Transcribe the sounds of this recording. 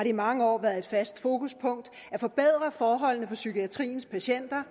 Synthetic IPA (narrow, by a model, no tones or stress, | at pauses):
hɑ̈ɾeimɑ̈ŋəɒ̰ːʋæːɐð̩ˠe̝d̥fæsd̥fo̝ːkʰuspʰɔ̽ŋ̰d̥ | æfɒ̽b̥eð̞̰ˠʁɐfɒːɦɒ̽l̰nəfɒ̽sykʰiæt͡sʰʁḭːn̩spʰæɕen̰d̥ɐ